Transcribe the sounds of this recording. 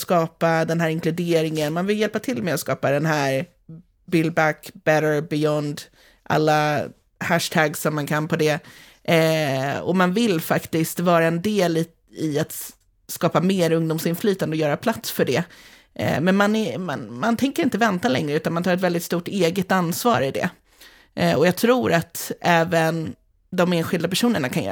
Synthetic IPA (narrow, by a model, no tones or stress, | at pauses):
skɑːpad̪ɛnɦæːɾɪnklɵd̪eːɾɪŋənmanvɪljɛlpat̪ʰɪlmɛɔskɑːpad̪ɛnɦæːɾ | bɪlbækbɛɾəɹbɪjɔnd̪ | ʔa̰lːa | hæʂt̪ʰæɡsɔmːankʰanpʰɔd̪ɛ | ɔ̰manvɪlfakt̪ɪskt̪vɑːɾaɛnd̪eːl | ɪat̪ | skɑːpameːɾɵŋd̪ʊːmsɪnflyːt̪and̪ɔjœːɾapʰlat̪sfœɖɛ̰ | mɛnmanɛma̰nmant̪ʰɛŋkəɾɪnt̪əvɛnt̪alɛ̰ŋɾəʉ̟ːt̪anmanɑːɾɛt̪̬vɛld̪ɪt̪st̪uːʈeːɡət̪ansvɑ̰ːɾɪd̪ɛ̰ | ɔjɑːɡt̪ʰɾuːɾat̪ɛːvən | d̪ɔmeːnɧɪld̪apæʂuːnəɳakʰanjœ̰ː